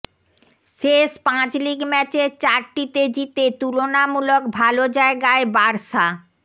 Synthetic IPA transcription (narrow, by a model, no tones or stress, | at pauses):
ʃeʃpãt͡ɕliɡmɛt͡ɕeɾt͡ɕaɾʈit̪ed͡ʑit̪et̪ulonamulok̚bʱalod͡ʑaeɡaebaɾʃa